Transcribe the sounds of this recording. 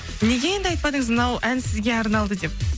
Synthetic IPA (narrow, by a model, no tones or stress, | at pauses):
ne̞ɡʲe̞je̞nd̪ɪɑjt̪̚pɑd̪əɴəzmnɑwʔænsɪzɡʲe̞ɑɾnɑlˠd̪əd̪e̞p̚